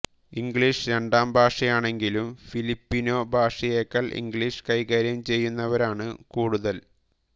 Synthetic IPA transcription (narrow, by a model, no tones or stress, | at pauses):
iŋɡɭiʂɨɾe̞ɳɖaːmbʱaːʂɐjaːɳe̞ŋɡilumfilipːino̞ːbʱaːʂɐjeːkːɐɭʔḭŋɡɭiʂɨ̥kɐjɣaːɾjɐmt͡ɕe̞jːunːɐʋɐɾaːɳɨkuːɽuðɐl